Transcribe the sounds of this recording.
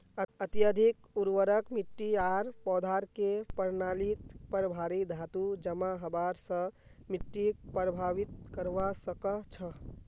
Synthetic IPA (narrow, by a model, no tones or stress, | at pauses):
ət̪jəd̪ʱik | uɾʋəɾəkmiʈːiaɾpɔd̪ʱaɾkepəɾnalit̪pəɾbʱaɾid̪ʱat̪ud͡ʒəmaɦəbaɾsə̃ | miʈːipɾəbʱaʋit̪kəɾʋasəkət͡ʃʰə